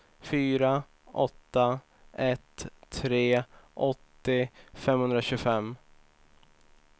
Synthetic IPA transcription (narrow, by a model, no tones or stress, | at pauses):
fyːɾa | ʔɔt̪ːa | ɛt̪ʰːɾeːʔɔt̪ːɪfɛmhɵnd̪ɾaɕɵːɡfɛmː